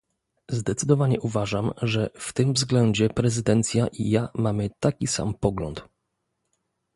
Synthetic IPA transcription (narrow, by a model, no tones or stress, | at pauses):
zd̪ɛt̪sɘd̪ɔvaɲɛʔuvaʐamʐɛft̪ɘmvzɡlɛɲd͡ʑɛpɾɛzɘd̪ɛnt̪sʲjaʔḭjamamɘt̪akʲisa̰mpɔɡlɔ̰nt̪